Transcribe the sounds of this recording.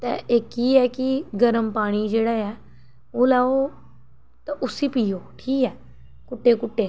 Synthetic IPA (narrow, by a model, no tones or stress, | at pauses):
t̪ɐ̰eːkiɛkiɡɐɾəmpaːɽ̃id͡ʒeːɽaːa | olaːo | t̪ɐʔʊsipijoʈʰiːkɛː | kʊʈːekʊʈːe